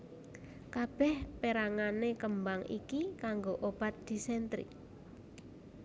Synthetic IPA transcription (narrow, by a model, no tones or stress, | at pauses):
kab̥ɛhpeɾaŋanekəmbaŋḭkikaŋɡoʔob̥a̤t̪̚d̪̥i̤sɛnt̪ɾḭ